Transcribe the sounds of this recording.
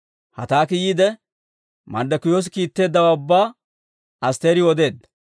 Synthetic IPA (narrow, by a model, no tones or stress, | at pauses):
hɐt̪aːkɪjiːd̪ɛ | mɐnd̪ɐkʊjoːs̬ɪkiːt̪ːe̞ːd̪ːɐwaːʊbːaː | ɐst̪e̞ːɾɪwɔd̪e̞ːd̪ːɐ̥